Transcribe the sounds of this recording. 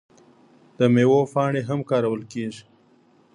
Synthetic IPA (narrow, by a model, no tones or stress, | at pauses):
d̪̥əmewofɑɳeɦamkɑɾawəlkeʒi